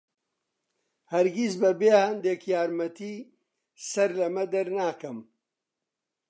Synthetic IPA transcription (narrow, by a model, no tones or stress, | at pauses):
hɐɾɡisbɐbeːhɐnd̪eːkjaːɾmɐt̪iː | sɐɾlɐmɐd̪ɐɾnaːkɐm